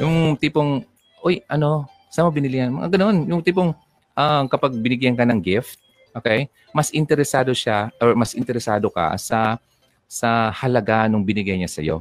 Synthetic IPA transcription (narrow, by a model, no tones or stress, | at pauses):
jʊŋt̪iːpoŋ | ʔojʔɐno̞ | sɐmɐbɪnɪlɪhɐnmɐŋʔa̰ɡɐno̞njʊŋt̪iːpoŋ | ʔakɐpaɡ̚bɪnɪɡjɐnkɐnɐŋɡɪft̪̚ | ʔoːkɛj | mɐsʔɪnt̪ɛɾɛsaːd̪o̞ʃaʔoɹmɐsʔɪnt̪ɛɾɛsaːd̪o̞kɐ̰sɐ | sɐhɐlɐɡanʊŋbɪnɪɡajɲasɐ̰jo̞̰